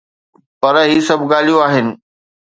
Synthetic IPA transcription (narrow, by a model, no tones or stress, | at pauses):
pɐɾɦiːsɐbʱɡaːlijũaːɦɪnɪ̆